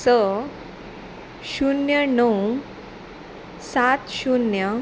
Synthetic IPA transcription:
sə | ɕunjənəw | sat̪ɕunjə

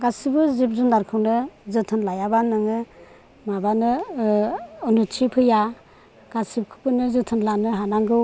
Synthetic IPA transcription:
ɡasibɯzib̚zundaɾkʰɯwnɯzɯtʰɯnlajabanɯŋɯ | mabanɯ | ɔnut͡ʃʰipʰɯja | ɡ̥asip̚kʰɯ̥pɯnɯzɯtʰɯnlanɯɦanaŋɡɯ

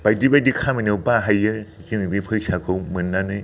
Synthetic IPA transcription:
b̥ajdibadikʰamɯnɯwbaɦajɯ | ɡinibipʰɯsakʰɯwmɯnːanɯj

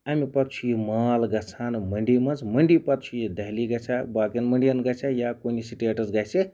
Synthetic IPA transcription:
amipɐt̪̚t͡ʃʰujimaːlɡɐt͡sʰanmɐɳɖimɐnd͡zmɐɳɖipɐt̪̚t͡ʃʰujid̪ɐɦliɡɐt͡ʃʰabaːkɐnməɳɖijɐnɡɐt͡ʃʰajakoːnisiʈeʈɐzɡɐt͡ʃʰe

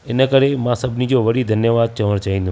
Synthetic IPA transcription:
enəkəɾemãsəbnid͡ʒoʋəɽid̪ʱənjəʋad̪̚t͡ʃəʋəɾ̃t͡ʃəĩnd̪ũ

